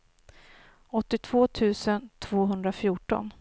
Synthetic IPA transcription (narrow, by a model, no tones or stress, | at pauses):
ɔt̪ːɪt̪ʰv̥oːt̪ʰʉ̟ːsənt̪ʰv̥oːɦɵnd̪ɾafjuːʈɔ̰n